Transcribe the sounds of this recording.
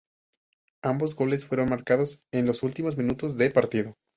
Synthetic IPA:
ambo̞zɣo̞le̞sfwe̞ɾo̞nmaɾkaðo̞se̞nlo̞sult̪imo̞zmĩnut̪o̞zðe̞paɾt̪iðo̞

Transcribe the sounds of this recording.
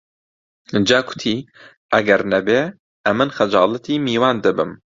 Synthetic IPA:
d͡ʒɑːɡʊ̥t̪ʰiː | ʔæɡɛɾnæbeː | ʔɛmɨnxɐd͡ʒɑːlˠɨt̪iːmiːwaːnd̪ɨbɨm

